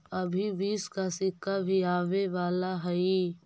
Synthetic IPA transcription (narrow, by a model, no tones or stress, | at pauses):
ɐbʱiʋiːskasɪkːabʱiaːʋeʋaːlaɦɛi